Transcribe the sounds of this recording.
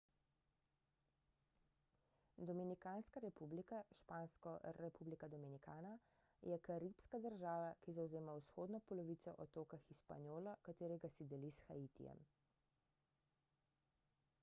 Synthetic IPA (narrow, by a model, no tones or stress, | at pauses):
d̪ɔminikaːnskaɾɛpublikaʃpaːnskɔɾɛpublikad̪ɔminikaːna | jɛkaɾipskad̪əɾʒaːʋakizawzeːmawsxoːd̪nɔpɔlɔʋit̪sɔ̰ʔɔt̪oːkaxiʃpa̰njoːlakat̪eːɾɛɡasid̪ɛlisxait̪ḭjɛ̰m